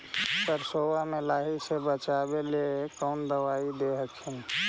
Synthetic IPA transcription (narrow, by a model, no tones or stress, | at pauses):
pəɾsowamelaɦisebət͡ʃabelekəːnd̪əwaid̪eɦək̚t͡ʃʰən